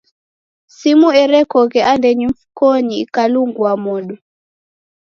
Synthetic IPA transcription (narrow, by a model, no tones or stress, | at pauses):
simuɛɾɛkɔkɛʔandɛɲimfukɔɲiːkaluŋɡwamɔɗu